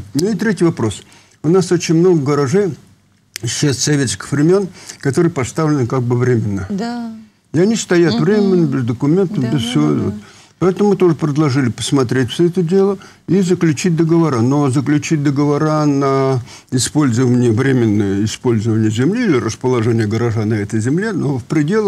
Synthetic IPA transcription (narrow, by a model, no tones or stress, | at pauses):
nuɪt̪ɾʲetʲɪvɐpɾo̞s | ʊnasot͡ɕɪnʲmno̞ɡəɡəɾɐʐej | ɕːest̪sɐvʲet̪sʲkʲɪ̥xvɾʲɪmʲonkɐt̪o̞ɾɨjəpɐst̪avlʲɪnɨkaɡ̚bɨvɾʲemʲɪnːə | ɪɐnʲist̪ɐjat̪vɾʲemʲɪnːəbʲɪzd̪əkʊmʲe̞nt̪əmbʲɪzfsʲɪvot̪vo̰t̪ | pɐɛt̪əmʊmɨt̪o̞ʐɨpɾʲɪd̪lˠɐʐɨlʲɪpə̥smɐt̪ɾʲetʲfʲsʲoɛt̪ədʲe̞lˠə | izəklʲʉt͡ɕit̚ʲd̪əɡəvɐɾano̞zəklʲʉt͡ɕit̚ʲd̪əɡəvɐɾanə | ɪspo̞lʲzəvənʲɪjəvɾʲemʲɪnːəjəɪspo̞lʲzəvənʲɪjəzʲɪmlʲiːlʲɪrəspəlˠɐʐɛnʲɪjəɡəɾɐʐanɐɛt̪əjzʲɪmlʲenofpɾʲɪdʲe̞lˠə